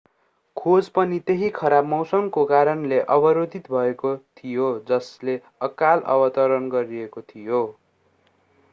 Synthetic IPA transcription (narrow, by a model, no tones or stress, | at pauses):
kʰod͡zpʌnit̪eɦikʰʌɾabmʌwsʌmkokaɾʌnleʔʌbʌɾod̪ʱit̪bʱʌekot̪ʰijod͡zʌsle | ʌkalʌ̰bʌt̪ʌɾʌnɡʌɾiekot̪ʰijo